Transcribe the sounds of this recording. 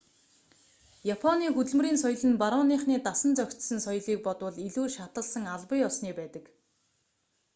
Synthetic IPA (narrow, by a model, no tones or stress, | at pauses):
japʰɔniːxɵt̪ɵ̆ɮmɵ̆riːnsɔj̆ɮɘ̆npaɾɔniχniːt̪asə̆nt͡sœkʲt̪sɵ̆nsɔjɮiːk̚pɔt̪wə̆ɮiɮuːʃat̪ə̆ɮsə̆ŋaɮpə̆jɔsniːpæːt̪ə̆k